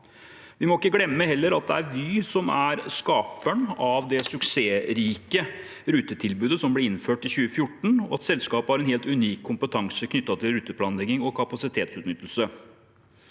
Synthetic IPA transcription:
ʋɪmɔɪkːəɡlɛmːəhɛlːəɾɑt̪̚d̪ɛæɾʋisɔmæɾskɑːpəɳɑʋd̪ɛsʉkseːɾiːkə | ɾʉːt̪ət̪ʰɪlbʉːd̪əsɔmblɪɾɪnføːʈɪçʉːəfjʊʈːɳ̩ɔɑt̪sɛlskɑːpəhɑɾɛnheːlt̪ʉniːkʰːʊmpət̪ʰɑŋsəkʰnʏt̪ːɑt̪ʰɪlɾʉːt̪ːəpʰlɑːnlɛɡɪŋɔkʰɑpɑsɪt̪ʰeːt̪sʉːt̪nʏt̪ːəl̩sə

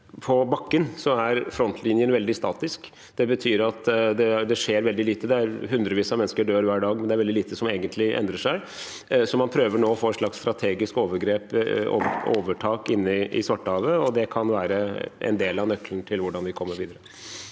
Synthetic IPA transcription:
pʰɔbɑkːənsɔæɾfɾɔnt̪lɪnjənʋɛld̪ɪst̪ɑːt̪ɪsk | d̪̥ɛbət̪ʰyːɾɑt̪d̪ɛd̪ɛʂeːɾʋɛld̪ɪliːt̪əd̪ɛæɾɦʉnd̪ɾəʋiːsɑmɛnːskəɖøːɾʋæːɖɑːɡmɛnd̪ɛæɾʋɛld̪ɪliːt̪əsɔmeːɡənt̪ʰlɪʔɛ̰nd̪ɾəʂæɪ | sɔmɑnpʰɾøːʋəɳoːɔfoːɛnʂlɑkst̪ɾɑt̪ʰeːɡɪskoːʋəɾɡɾeːpo̰o̰ːʋəʈʰɑːkɪnːəʔɪ̰sʋɑʈːəhɑːʋəɔd̪ɛkʰɑnʋæːɾəʔɛ̰nd̪eːlɑnœklənt̪ʰɪlʋʊɖɑnʋɪkʰɔmːəɾʋiːd̪əɾə

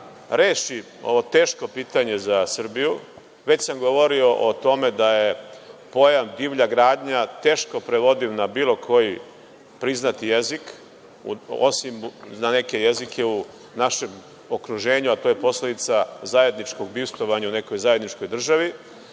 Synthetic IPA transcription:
ɾeːʃi | o̞̰ʋo̞t̪e̞ːʃko̞piːt̪aɲe̞zasr̩biju | ʋet͡ɕsamɡo̞ʋo̞ɾio̞ʔot̪o̞me̞d̪aje̞po̞jamd̪iʋʎaɡɾaːd̪ɲat̪e̞ːʃko̞pɾeʋo̞d̪iʋnabiːlˠo̞kʰo̞ji | pɾiznat̪ijezik | ṵo̞̰simnane̞ke̞jezikʰe̞u | naʃe̞m | o̞kɾuʒe̞ːɲuat̪oːje̞po̞sled̪it̪sazaje̞d̪nit͡ʃko̞ɡbist̪ʋo̞ʋaɲaune̞ko̞jzaːjed̪nit͡ʃko̞jd̪r̩ʒaʋi

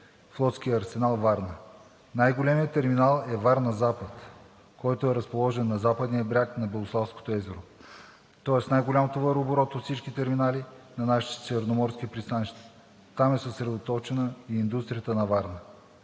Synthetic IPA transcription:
flˠɔt̪sk̟ijəɐɾsɛnalˠvaɾnə | najɡolʲɛmiət̪ɛɾminalˠɛvaɾnɐzapət̪ | kɔjt̪oɛɾɐspolˠɔʒɛnːɐzapəd̪niəbɾʲaknɐbɛlˠoslˠafsko̥t̪oɛzɛɾo | t̪ɔɛsnajɡolʲamot̪ovəɾoboɾɔt̪ot̪sit͡ʃkit̪ɛɾminalʲinɐnaʃi̥t̪sʲɛvɛɾnomɔɾskʲipɾist̪aniʃt̪ɛ̥ | t̪amɛsəsɾɛd̪ot̪ɔt͡ʃɛnəiːnd̪ust̪ɾijət̪ənɐvaɾnə

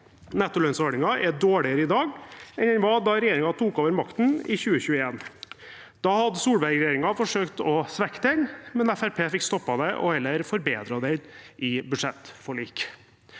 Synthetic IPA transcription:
nɛt̪ːʊlœnsɔɖɪŋɑʔɛɖ̪oːɭɪəɾəɪd̪ɑːɡɛnɛnʋɑd̪ɑɾɛjeːɾɪŋɑt̪ʰuːkoːʋəɾmɑkt̪n̩ɪ̰çʉːəçʉːəeːn | d̪̥ɑːhɑd̪əsuːɽbæɾɡɾɛjeːɾɪŋɑfɔʂøːkt̪ɔsʋɛkːə̥t̪ʰɪŋmɛnæfæɾpʰeːfɪkst̪ɔpːɑd̪ɛʔɔ̰hɛlːəɾfɔɾbeːd̪ɾɑd̪ɛʔɪbʉd̪ʂɛt̪ːfɔɭiːk

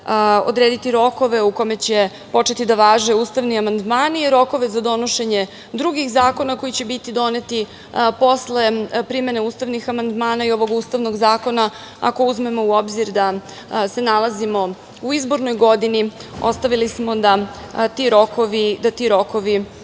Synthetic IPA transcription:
o̞̰d̪ɾeːd̪it̪iɾo̞ko̞ʋe̞uko̞me̞t͡ɕe̞ | po̞t͡ʃe̞t̪id̪aʋaːʒe̞uːst̪aʋniamand̪maːniɾo̞ko̞ʋe̞zad̪o̞no̞ʃe̞ɲe̞ | d̪ɾuɡixzaːko̞nako̞jit͡ɕe̞bit̪id̪o̞ne̞t̪i | po̞sle̞pɾime̞neuːst̪aʋnixamand̪maːnaio̞ʋo̞ɡuːst̪aʋno̞ɡzaːko̞na | a̰ko̞uzme̞mo̞uo̞bziɾd̪a | se̞nalˠazimo̞ | uizbo̞ɾnojɡo̞d̪inio̞st̪aʋilismo̞d̪a | t̪iɾo̞koʋid̪at̪iɾo̞koʋi

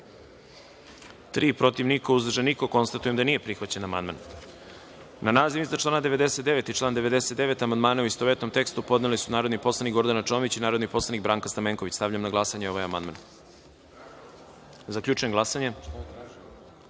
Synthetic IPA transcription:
t̪ɾiːpɾo̞t̪iʋnikouzrʒenikoko̞nst̪at̪ujemd̪anije̞pɾixʋat͡ɕenamand̪ma̰n | nanaːziʋizat͡ʃlˠaːnad̪e̞ʋed̪e̞set̪d̪e̞ʋe̞t̪it͡ʃlˠaːnd̪e̞ʋed̪e̞set̪d̪eʋe̞t̪amand̪maːnauist̪oʋet̪no̞mt̪e̞kst̪upo̞d̪nelisunaːɾod̪nipo̞slˠanikɡo̞ɾd̪anat͡ʃoʋit͡ɕinaːɾod̪nipo̞slˠanik̚bɾaːŋkast̪ameŋko̞ʋit͡ɕst̪aʋʎamnaɡlˠasaɲeo̞ʋajamand̪ma̰n | zakʎuːt͡ʃujemɡlˠasaɲe

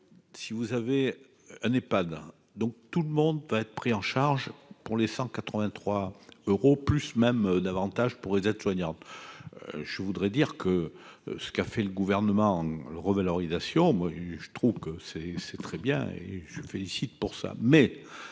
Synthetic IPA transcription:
sivuzave | ɛ̃nepad̪ | d̪ɔ̃k̚t̪uləmɔ̃d̪vaɛt̪χə̥pχiɑ̃ʃaʁʒpuʁlesɑ̃kat̪χəvɛ̃t̪χwaøʁoplysmɛmd̪avɑ̃t̪aʒpuʁlezɛt̪swaɲɑ̃t̪ | ʒ̥əvud̪ʁɛd̪iʁkʰəsə̥kafɛləɡuvɛʁnəmɑ̃ɑ̃lʁəvalɔʁizasjɔ̃mwaʒət̪χuvkəsɛsɛt̪χɛbjɛ̰̃ḛʒəsɥifelisit̪puʁsa̰mɛ

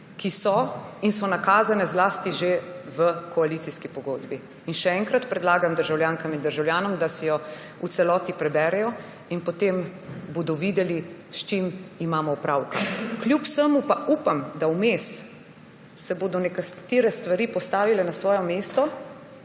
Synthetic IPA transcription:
kisɔinsɔnakaːzanɛzlaːst̪iʒeʋəkʰɔaliːt̪siskipɔɡoːd̪biː | nʃɛɛŋkɾat̪pɾɛd̪laːɡamd̪əɾʒawljaːŋkamind̪əɾʒawljaːnɔmd̪asɛjɔ | usɛlɔːt̪ipɾɛbɛːɾɛjɔ | inpɔt̪embod̪ɔʋid̪ɛliʃt͡ʃimimaːmɔupɾaːwkakljupsəmupaʔuːpamd̪awmes | sɛboːd̪ɔnɛkat̪eːɾɛst̪ʋaɾipɔst̪aːʋilɛnasʋɔːjɔmeːst̪ɔ

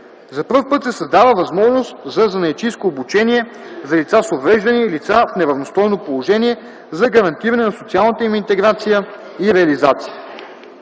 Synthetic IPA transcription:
zɐpɤfpɤt̪sɛsɐzd̪avəvɐzmɔʒnost̪zɐzɐnɐjt͡ʃiskoːbut͡ʃɛniɛzɐlit̪sasovɾɛʒd̪ɐniilit̪safnɛɾɐvnost̪ɔjnopolˠoʒɛniɛ | zɐɡɐɾɐnt̪iɾɐnɛnɐsot̪sialˠnət̪əimint̪ɛɡɾat̪sijə | iɾɛɐlizat̪si̥jə

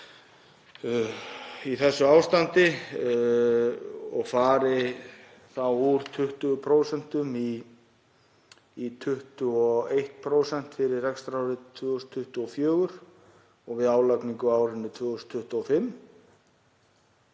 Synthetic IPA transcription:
iθɛsːʏaːwst̪ant̪ɪ | ɔɣfaːɾɪ | θawuɾt̪ʰʏht̪ʏpʰɾowsɛn̥t̪ʏmi | t̪ʰʏht̪ʏɔejht̪̚pʰɾoːwsɛn̥t̪fɪɾɪrrɛkst̪ɾawɾɪt̪ʰvœːɣʏst̪ʰːʏht̪ʏɔfjœːɣʏɾ̥ | ɔɣvɪðaːwlakniŋkʏaːwɾɪnːʏt̪ʰvʏːɣʏst̪ʰːʏht̪ʏɔfɪmː

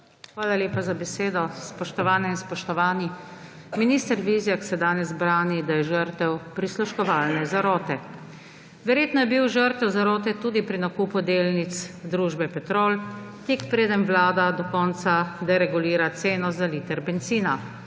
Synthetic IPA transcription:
xʋaːlaljeːpazabɛseːd̪ɔspɔʃt̪ɔʋaːnɛinspɔʃt̪ɔʋaːni | miniːst̪əɾʋizjaksɛd̪aːnɛzbɾaːnid̪ajɛʒəɾt̪ɛwpɾisluʃkɔʋaːlnɛzaɾɔːt̪ɛ | ʋɛɾjeːt̪nɔjɛbiwʒəɾt̪ɛwzaɾɔːt̪ɛt̪uːd̪ipɾinakuːpud̪eːlnit̪sd̪ɾuːʒbɛpɛt̪ɾoːl | t̪iːkpɾeːd̪əmʋlaːd̪ad̪ɔkɔːnt̪sad̪ɛɾɛɡuliːɾat̪seːnɔzalit̪ɛɾbɛnt̪siːna

